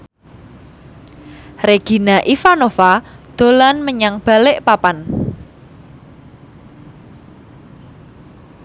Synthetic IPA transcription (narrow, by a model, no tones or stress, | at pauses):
reɡ̥i̤naʔifanofad̪̥o̤lanməɲaŋb̥a̤lɪʔpapan